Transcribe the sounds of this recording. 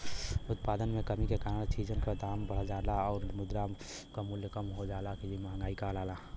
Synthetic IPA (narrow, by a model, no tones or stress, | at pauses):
ʊt̪paːd̪ənmẽkəmikekaːɾəɽt͡ʃid͡ʒənkad̪aːmbəɽ̤ad͡ʒaːlaɔːɾmʊd̪ɾam | kamʊljəkəmɦod͡ʒaːlakid͡ʒimaɦəŋɡaːikalaːla